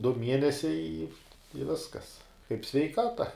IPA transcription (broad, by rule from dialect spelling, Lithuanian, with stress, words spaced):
dʊ ˈmʲiɛnʲɛsʲɛɪ ɪ ɪ ˈʋʲɪskɐs kɐɪp sʲʋʲɛɪˈkɑːtɐ